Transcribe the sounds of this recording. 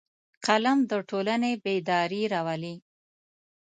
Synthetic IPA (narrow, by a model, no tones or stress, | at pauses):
qalamd̪əʈʰolanebed̪ɑɾiɾɑwali